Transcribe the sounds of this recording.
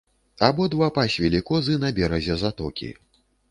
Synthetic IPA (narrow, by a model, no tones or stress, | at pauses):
abɔd̪vapasʲvʲɛlʲikɔzɨnɐbʲɛɾɐzʲɛzat̪ɔkʲḭ